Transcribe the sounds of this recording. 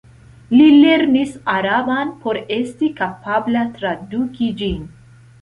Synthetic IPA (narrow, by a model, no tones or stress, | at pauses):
lile̞ɾnisaɾabanpʰo̞ɾe̞stikapablatɾadukid͡ʒin